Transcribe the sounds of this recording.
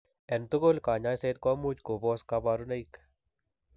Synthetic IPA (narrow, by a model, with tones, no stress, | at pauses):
ɛ˨nt̪u˦ko˦lkaː˨ɲa˦jse˦t̪̚kɔ˦mu˦t͡ʃko˨bɔ˦ska˧baɾuna˦jk